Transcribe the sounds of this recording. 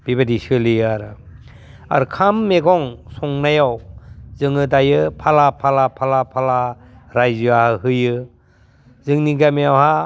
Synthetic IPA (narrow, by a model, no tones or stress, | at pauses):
b̥ibadisɯliaɾ | a̰ɾkʰamːeɡɔŋsɔŋnajawzɯŋɯdajɯpʰalapʰalapʰalapʰala | ɾajzɯahɯɦɯjɯ | zɯŋniɡamejawha